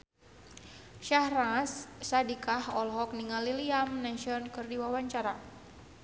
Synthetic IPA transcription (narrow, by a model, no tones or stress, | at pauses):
ʃahrassadikahɔlɦɔk̚niŋaliliamnɛʃiɔnkɨrdiwawaɲt͡ʃaɾa